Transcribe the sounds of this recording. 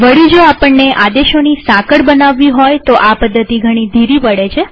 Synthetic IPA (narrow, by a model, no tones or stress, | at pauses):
ʋəɭid͡ʒoapəɳːeʔad̪eʃonisãkəɽbənaʋːiɦojt̪oʔapəd̪ʱːət̪iɡʱəɽ̃id̪ʱiɾipəɽet͡ʃʰe